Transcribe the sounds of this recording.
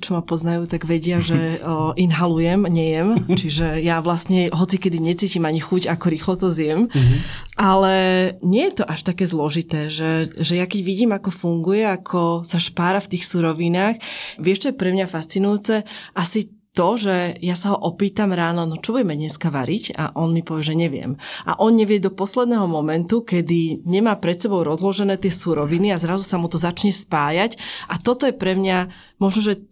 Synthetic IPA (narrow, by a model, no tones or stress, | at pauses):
t͡ʃɔmapɔznajuːt̪aɡʋɛɟɪaʒɛʔinɦalujɛmɲɛjɛmt͡ʃiʒɛjaʋlasɲɛɦɔt͡sikɛd̪iɲɛt͡siːcimaɲixuɟakɔɾiːxlɔt̪ɔzɪjɛm | ʔalɛɲɛjɛt̪ɔʔaʃt̪akɛːzlɔʒit̪ɛːʒɛʒɛjakɛɟʋiɟiːmakɔfuŋɡujɛakʰɔsaʃpaːɾaft̪iːxsuɾɔʋinaːxʋɪɛʃt͡ʃɔjɛpɾɛmɲafast͡sinujuːt͡sɛʔasi | t̪ɔʒɛjasaɦɔʔɔpiːt̪amɾaːnɔnɔt͡ʃɔbuɟɛmɛd̪ɲɛskaʋa̰ɾica̰ʔɔnmipɔʋɛʒɛɲɛʋɪɛ̰mʔa̰ʔɔnɲɛʋɪɛd̪ɔpɔslɛd̪nɛɦɔmɔmɛnt̪ukɛd̪iɲɛmaːpɾɛt̪sɛbɔʊɾɔzlɔʒɛnɛːt̪ɪɛsuɾɔʋiniazɾazusamut̪ɔzat͡ʃɲɛspaːjacʔat̪ɔt̪ɔjɛpɾɛmɲa | mɔʒnɔʒɛ